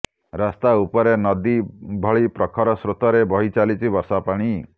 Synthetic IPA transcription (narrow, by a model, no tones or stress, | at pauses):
ɾast̪aupɔɾenɔd̪ibʱɔɭipɾɔkʰɔɾɔsɾot̪ɔɾebʱɔɦit͡ʃalit͡ʃʰibɔɾsapaɽ̃i